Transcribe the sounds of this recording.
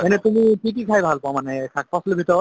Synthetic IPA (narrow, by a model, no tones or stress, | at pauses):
ɛnɛt̪umipitikʰajbʱalpɔamanɛkʰak̚pɔslebʱitɔɹɔ